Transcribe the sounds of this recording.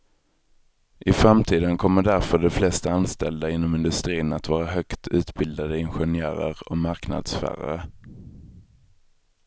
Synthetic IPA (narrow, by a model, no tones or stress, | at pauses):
ʔɪfɾamt̪ʰiːd̪ənkʰɔmːəɖæɾfœɖɛflɛst̪aanst̪ɛld̪aɪnːɔmɪnd̪ɵst̪ɾiːnat̪vɑːɾaɦœkt̪ʰʉ̟ːt̪bɪld̪ad̪əɪnɧɛnjœ̰ːɾə̰ɾɔmaɾkna̰d̪sfæ̰ːɾa̰ɾə